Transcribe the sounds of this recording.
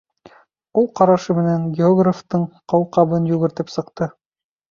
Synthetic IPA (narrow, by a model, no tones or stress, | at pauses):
ulˠqɑɾɑʃɤmɘ̆næŋɡʲeoɡraft̪ɤɴqɑwqɑβɤnjʉɣɘ̆ɾt̪ɘpsɤ̆qt̪ɤ